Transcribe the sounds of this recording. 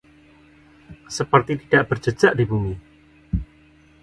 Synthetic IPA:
səpərt̪it̪idaʔb̥ərd͡ʒə̥d͡ʒaʔdibumi

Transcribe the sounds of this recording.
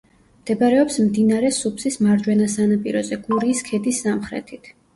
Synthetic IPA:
md̪̥ɛbaɾɛɔpsmd̪inaɾɛsupʰsismaɾd͡ʒwɛnasanapʼiɾɔzɛɡ̥uɾiːskʰɛd̪isːamχɾɛ̰t̪ʰit̪ʰ

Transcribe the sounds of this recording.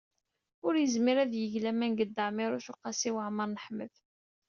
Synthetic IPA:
ʊɾjəzmɪɾæðjəʝlæmænɡəd̪ːəʕmɪɾʊʃʊqːɑsiwəʕməɾˤnəħmə̰θ

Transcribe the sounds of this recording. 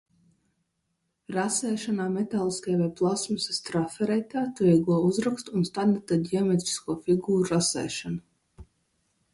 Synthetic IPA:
ɾasɛːʃanaːmet̪aːlˠiskajvɛplˠasmusast̪ɾafɛɾɛt̪ʲaːt̪uviːɡuɔuzɾakst̪uːnst̪ad̪d̪at̪ad̪ʲiɔmʲet̪ɾi̥skuɔfiɡuːɾuɾasɛ̰ːʃana

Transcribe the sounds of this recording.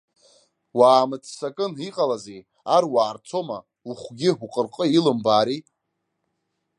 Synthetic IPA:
waːmɨt͡sʰsakʼɨniqʼalazej | arwaːrt͡sʰoma̰ | uχʷɡʲɪħuqʼərqʼəilɨmbaːɾi

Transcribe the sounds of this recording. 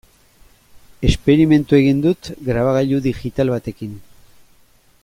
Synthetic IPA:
e̞spe̞ɾime̞nt̪ue̞ɣ̞ind̪ut̪ɡɾaβaɣaʎuðixit̪alβat̪e̞kin

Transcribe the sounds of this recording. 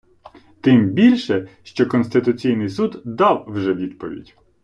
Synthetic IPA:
t̪ɪmbʲilʲʃɛʃt͡ʃɔkɔnst̪ɪt̪ʊt͡sʲijnɪjsud̪d̪ɑwwʒɛʋʲid̪pɔʋʲḭdʲ

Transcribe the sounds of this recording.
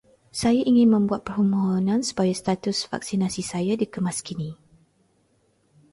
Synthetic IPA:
sajaʔiŋɪ̃nmə̃mbuat̪̚pərhumoɦonãnsu̥pajast̪at̪ʊsfa̰ksinasisajadikəmaskinĩ

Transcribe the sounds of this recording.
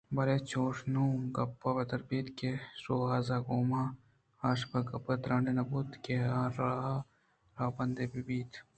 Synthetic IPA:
bɐɾeːt͡ʃoːʂnũːɡɐpːabɐd̪ɐɾbiːt̪kesoːaːzaːɡoːmaː | aːʃbɐɡɐpːɐt̪ɾɐːɳɖenɐbuːt̪keaːɾaː | ɾaːbɐnd̪ebibiːt̪ʰ

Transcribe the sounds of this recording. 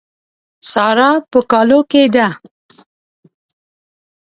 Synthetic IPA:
sɑɾɑpəkɑloked̪a

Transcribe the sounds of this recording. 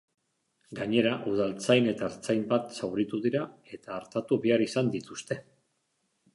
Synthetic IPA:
ɡaɲe̞ɾaʔuð̞alt͡sajne̞t̪aːɾt͡sajmbat̪sawɾit̪uðiɾae̞t̪aːɾt̪at̪uβeaɾisand̪it̪ust̪e̞

